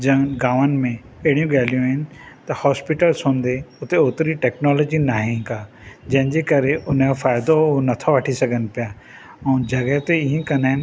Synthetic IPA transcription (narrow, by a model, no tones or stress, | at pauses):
d͡ʑɐ̃ɡaːʋənɪ̆mẽ | ɐɦɪɽijũɠaːlijũɦɪnɪ̆t̪ɐhɔːspɪʈəlsɦõːnd̪eʊt̪eoːt̪ɾiʈɛːknɔːlɔːd͡ʑinaːɦɪ̃kaː | d͡ʑɐ̃ɦɪ̃ɲd͡ʑeːkɐɾeʔʊnfaːɪd̪onɐt̪ʰoʋɐʈʰisɐɡʱənɪ̆pɪja | ɛ̃ũd͡ʑɐɡəɦt̪eɪɦĩkɐnaːɦɪnɪ